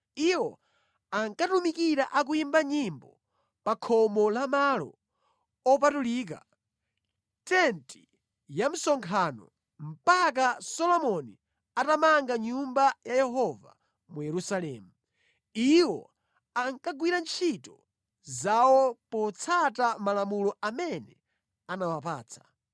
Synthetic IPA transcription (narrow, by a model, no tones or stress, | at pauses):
iwɔ | aŋkatumikiɾaʔak̬uimbaɲimbɔ | pakʰɔmɔlamalɔ̰ | ɔpatuliːk̬a̰ | tɛnti̥ | jam̩sɔŋkʰaːnɔ̰ | m̩pak̬asɔlɔmɔni | atamaŋɡaɲumbajajɛɦɔva̰ | mujɛɾusalɛmu | iwɔ̰ | aŋkaɡwiɾant͡ʃʰitɔ | zawɔpɔt͡sʰatamalamulɔamɛnɛ | anawap̬aːt͡sʰḁ